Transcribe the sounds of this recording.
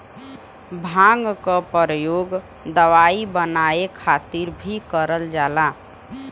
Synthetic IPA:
bʱãŋɡkəpəɾəjoɡ | d̪əʋaibənaekʰat̪iɾbʱikəɾəld͡ʒala

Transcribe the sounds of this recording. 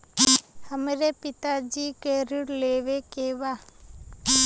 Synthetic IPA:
həmɾepɪt̪ad͡ʒiːkeɾɪɽleːʋekeʋa

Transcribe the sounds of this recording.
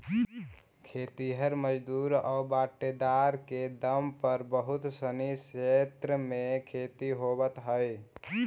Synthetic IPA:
kʰeːt̪iɦəɾməd͡ʒd̪uɾɔbaːʈːed̪aɾked̪əmpəɾbəɦʊt̪səniset̪ɾəmẽkʰeːt̪iɦobət̪ɦəj

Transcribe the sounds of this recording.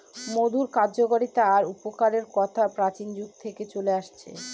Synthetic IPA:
mod̪ʱuɾkaɾd͡ʑoɡoɾit̪aːɾupokaɾeɾkɔt̪ʰapɾat͡ɕind͡ʑuɡ̚t̪ʰeket͡ɕoleaʃt͡ɕʰḛ

